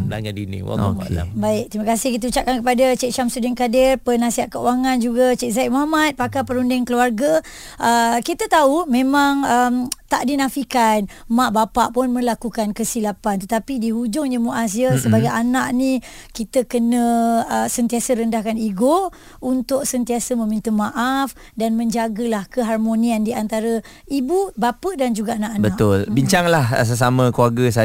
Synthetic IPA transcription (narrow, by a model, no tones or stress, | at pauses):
mla̰ŋandinḭwa̰ala̰baɪk̚t̪imakasɪhkit̪̬əut͡ʃaʔ̚kankəpadat͡ʃeʔʃamsudɪnkadɪrpənasiat̪̚kəuwaŋãnd͡ʒuɡat͡ʃeʔ̚zaiʔ̚moɦamat̪̚pakapəɾundɪŋkəluarɡa | ʔəkit̪ət̪aumẽmaŋəmt̪aʔdinãfikanmaʔbapaʔpʊnmə̃lakukankəsilapant̪ət̪apidiɦud͡ʒʊŋɲəmuʔas̬jəsəbaɡajanaʔni | kit̪əkənə̃əsənt̪iasəɾəndahkaniɡo | unt̪ʊk̚sənt̪iasəmə̃mĩnt̪əmaʔaf | danmə̃ɲd͡ʒaɡəlahkəɦarmoniandiant̪aɾə | ibubapədand͡ʒuɡaanaʔanbəat̪ʊlbiɲt͡ʃaŋlahs̬əs̬amə̃kluaɡəsa